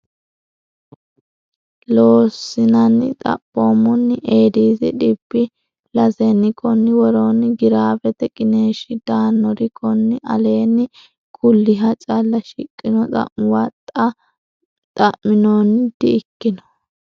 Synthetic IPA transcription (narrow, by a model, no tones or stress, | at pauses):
loːsːɪnɐnɪt̪ʼɐ̰pʼːoːmʊnːʔeːd̪iːzɪᶑɪbːɪ | lɐzɛnɪkʰɔnːɪwɔɾonɪɡɪɾaːbɛt̪ɛkʼɪneːʃɪd̪̥aːnːɔɾɪkʰɔnːɪʔɐ̰le̞ːnɪ | kʰʊlːɪɦɐt͡ʃʼɐlːɐʃɪkʼːɪnɔt̪ʼɐ̰ʔwɐt̪ʼːɐ | t̪ʼɐʔɪnond̪̥ɪɪkːɪnɔ̥